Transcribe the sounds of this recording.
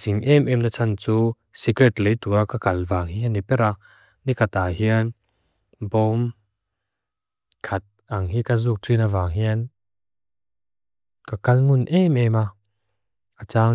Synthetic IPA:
siŋʔɛmʔɛmnat͡sʰant͡su | sikɾɛt̪lejt̪uakakɐlvaːŋhianipɛɾa | nikʰat̪aɦiən | bɔm | kʰɐt̪̚ʔɐŋɦikazuːk̚tʰinavaːŋɦin | kakɐlmunʔɛmɛma | ʔat͡saː

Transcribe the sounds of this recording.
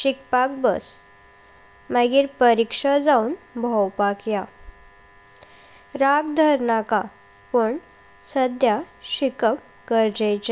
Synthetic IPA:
ɕik̚pak̚bəs | maɡiːɾpəɾikʂad͡zaunbʱɔwpakja | ɾaɡd̪ʱəɾnaka | pəɳ | səd̪ʱja | ɕikəm | kəɾd͡ʑejt͡ɕe

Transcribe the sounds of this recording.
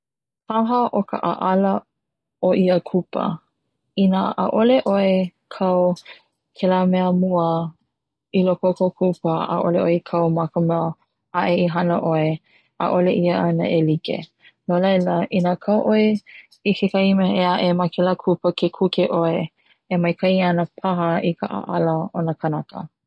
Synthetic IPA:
tʰaɦəʔokə̰ʔʔalɐ | oʔiəkʰupə̰ | inaʔa̰ʔoleʔoe | kʰɐw | kʰɛlamɛəmuə | ilokokokʰupəa̰ʔo̰leʔoekʰɐwmakəmɛə | aʔeiɦɐnəʔoe | a̰ʔoleʔiəʔɐnɐ̰ʔelikḛ | nolɐjləʔinakʰawʔoe | ikʰekaimeeaʔemakʰɛlakʰupəkʰekʰukeʔoe | emɐjkʰɐianəpʰaɦɐikʰə̰ʔa̰ʔalɐonəkʰɐnakə̰

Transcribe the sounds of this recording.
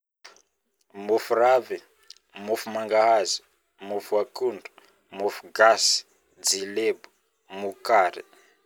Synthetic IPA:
mufuravi | mufumaŋɡaɦazi̥ | mufuakuɳɖ͡ʐu̥ | mufuɡasi̥ | d͡zilebu̥ | mukaɾḭ

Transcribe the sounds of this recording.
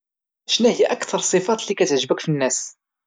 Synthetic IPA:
ʃnæhijæʔækt̪ɑɾˤsˤefɑt̪ˤlikæt̪ʕʒbəkfinːæs

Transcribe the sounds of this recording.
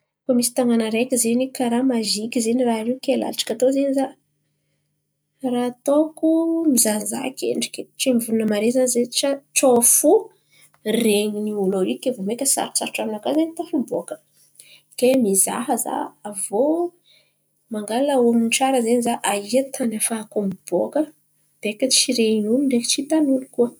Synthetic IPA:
kamisi̥t̪aŋanəɾekʲizenikaɾamaʒikʲizenirarewkela̰liʈ͡ʂḁkʲat̪ozeniza | rat̪okumizanza̰kʰʲḛɳɖ͡ʐi̥kʲeʈ͡ʂemivulunəmaɾezanzeʈ͡ʂaʈ͡ʂofu | reɲiniuloɾikevomekʲəsa̰ɾsa̰ɾʈ͡ʂaminakazenit̪afubokə̥ | kemiza̰ɦəza̰ːvo | maŋɡalauamiʈ͡ʂaɾəzenizaʔaiat̪ʰanafakomib̥okə | b̥ekət͡ʃiɾeinuniɳɖ͡ʐekit͡ʃit̪anulikuə

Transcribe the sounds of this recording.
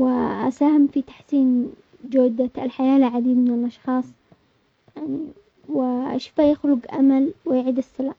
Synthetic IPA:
wɪʔa̰saːhɪmfit̪ḁħsiːn | d͡ʒoːd̪aɪlħajaːlʕad̪iːd̪mɪnɪlʔɑʃxɑːsˤ | wɪaʃfajɪxlʊɡʔa̰malwɪjʕiːd̪ɪsːɪlaːʔ

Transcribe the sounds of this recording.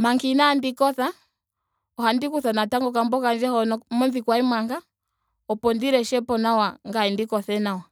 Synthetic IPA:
maŋkinandikɔθa | ɔhandikuθanataŋɡɔkambɔkand͡ʒɛhɔnɔmɔnðikwaimwaŋɡa | ɔpɔndiɾɛʃɛpɔnawaŋɡaindikɔθɛnawa

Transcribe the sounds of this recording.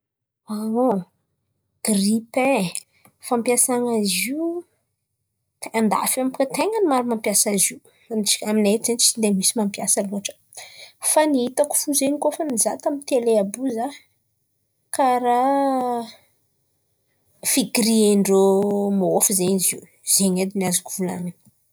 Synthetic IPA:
ao | ɡ̥ripẽ | fampjasaŋaziw | t̪eand̪a̰famkət̪eŋənimaɾumampjasaziw | naminaizenit͡ʃid̪emisimampjasaluaʈ͡ʂə̥ | faniɦit̪aku̥fuzeɲikofanizat̪amint̪eleabuza | kaɾa | fiɡiɾieɳɖ͡ʐomaofizeɲizi | z̥eɲed̪iniazakuv̥ula̰nə̥

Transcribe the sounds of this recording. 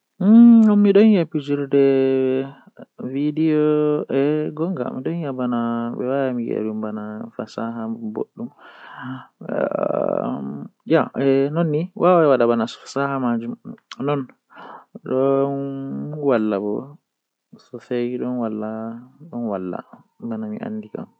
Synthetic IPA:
ɔmːiɗɔnjapːid͡ʒiɾdɛ | vidijɔɛɡɔŋɡa̰mḭɗɔnjabanaɓɛ̰wajamiɡɛ̰ɗumbanafasaɦabo̰ɗːum | jaɛnɔnːiwʔawaɛwaɗabanasɔ̥fḁsahamad͡ʒumnɔn | ɗɔnwalːabɔ | sɔfejɗɔnwalːaɗɔnwalːa̰ | banamḭʔa̰nːdika̰m

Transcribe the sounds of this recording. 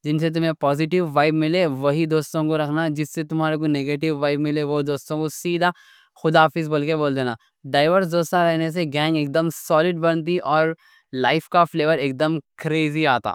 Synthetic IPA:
d͡ʒɪnset̪̬ʊmɦẽpɔːzɪʈɪʋːaːɪbmɪleʋɐɦid̪oːst̪õkoɾɐkʰnad͡ʒɪsːet̪ʊmɦaːɾek̬oneːɡeːʈɪʋːaːɪbmɪleʋod̪oːst̪õkosiːd̪ʱa | xʊd̪aːfizbɐlkeboːld̪eːna̰ː | ɖaːɪʋəɾs̬d̪oːst̪aɾɛɦnes̬eɡɛ̃ːŋɡeːk̚d̪əmsɔːlɪɖbɐɽ̃t̪̬iʔɔːɾ | laːɪfkafleːʋəɾeːk̚d̪əmkɾeːziaːt̪a̰ː

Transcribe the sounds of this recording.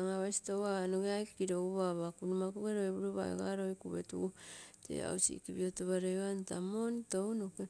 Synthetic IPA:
aŋaβajsi̥towanoɡeajkkiɾouβaβakunumakuɡeɾoeβuɾoβa̰ḛɡa̰ɾojkuβḛtṵtʰḛa̰usḭkiβiotuβaɾeantamontownuke

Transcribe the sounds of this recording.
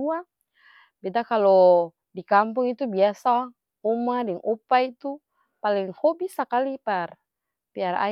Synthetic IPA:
ua | bɛdakalɔ | dikampuŋit̪ubiasa | umadɛŋʔupait̪u | paliŋhɔbisakalipar | piara̰

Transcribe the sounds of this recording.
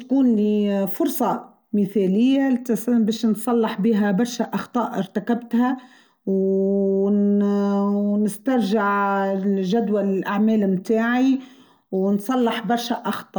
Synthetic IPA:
t̪kuːnlifʊɾˤsˤɑ | mɪθælɪjːat̪sbɛːʃnsˤɑlːɑħbiːɦæbɑɾˤʃaʔɑxt̪ˤɑːʔʔɪɾt̪akabt̪hæ | w | nɪst̪ɑɾˤʒɪʕ | ʒæd̪wallʔaʕmæːlmt̪aːʕi | wnsˤɑlːɑħbɑɾˤʃaʔɑxt̪ˤɑːʔ

